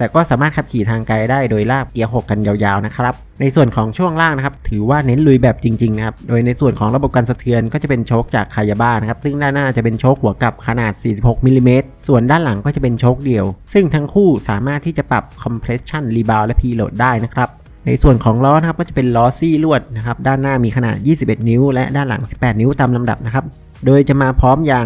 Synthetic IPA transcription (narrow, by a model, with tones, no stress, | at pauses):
t̪ɛː˨˩kɔː˥˩saː˩˦maː˥˩t̪̚kʰa˦˥p̚kʰiː˨˩t̪ʰaː˧ŋka˧jdaː˥˩jdoː˧jlaː˥˩p̚ki˧˩˦əwɦo˨˩kːa˧njaː˧wjaː˧wna˦˥kʰɾa˦˥p̚na˧jsu˨˩ənkʰɔː˩˦ŋt͡ɕʰu˥˩əŋlaː˥˩ŋna˦kʰa˦˥p̚t̪ʰɯː˩˦waː˥˩ne˦˥nlu˧jbɛː˨˩p̚t͡ɕi˧ŋt͡ɕi˧ŋna˦˥kʰa˦˥p̚doː˧jna˧jsu˨˩ənkʰɔː˩˦ŋɾa˧bo˨˩p̚kaː˧nsa˧t̪ʰɯ˧ənkɔː˥˩t͡ɕa˨˩pe˧nt͡ɕʰoː˦˥k̚t͡ɕaː˨˩kʰːaː˧jːa˧baː˥˩na˦kʰa˦˥p̚sɯ˥˩ŋdaː˥˩naː˥˩t͡ɕa˨˩ʔpe˧nt͡ɕʰoː˦˥k̚hu˩˦ɐka˨˩p̚kʰa˧naː˨˩t̪̚siː˨˩si˨˩p̚ho˨˩k̚mi˧liː˧meː˦˥t̪̚su˨˩əndaː˥˩nla˨˩˦ŋkɔː˥˩t͡ɕa˨˩pe˧nt͡ɕʰoː˦˥k̚di˧əwsɯ˥˩ŋt̪ʰa˦˥ŋkʰuː˥˩saː˨˩˦maː˥˩t̪ʰːiː˥˩t͡ɕa˨˩pɾa̰˨˩p̚kʰɔ˧mpʰɾe˦˥st͡ɕʰa˥˩nliː˧baː˧wlɛ˦˥pʰiː˧lo̰ː˨˩t̪̚daː˥˩jna˦˥kʰɾa˦˥p̚ | na̰˧jsu˨˩ənkʰɔː˩˦ŋɾɔː˦˥n˧˥kʰa˦˥p̚kɔː˥˩t͡ɕa˨˩pe˧nlɔː˦˥siː˥˩lu˥˩ət̪̚na˦˥kʰa˦˥p̚daː˥˩nːaː˥˩miː˧kʰa˧na̰ː˨˩t̪̚jiː˥˩si˨˩p̚ʔe˨˩t̪̚ni˦˥wlɛ˦˥daː˥˩nla̰˩˦ŋsi˨˩pːɛː˨˩t̪̚ni˦˥wt̪aː˧mla˧mda˨˩p̚na˦˥kʰa˦˥p̚ | doː˧jt͡ɕa˨˩ʔmaː˧pʰɔː˦˥mjaː˧